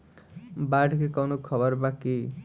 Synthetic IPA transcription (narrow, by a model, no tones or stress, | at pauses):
baɖkekawnukʰʌbʌɾbaki